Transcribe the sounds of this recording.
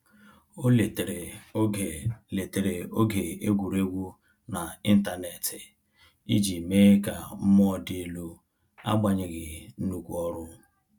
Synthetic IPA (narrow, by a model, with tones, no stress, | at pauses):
o˦˨ | le˨te˨ɾe˨o˦ɡe˨e˦ɡʷu˨ɾe˦ɡʷu˦ | na˨i˦n̩˦ta˦ne˨tɪ˨ | i˦d͡ʒi˨me˦ka̰˨m̩˦mɔ˦˨dɪ˦lu˦ | a̰˦ɡ͡ba˨ɲɪ˨ɡɪ˨n̩˦u˦kʷu˦ɔ˦ɾʊ˦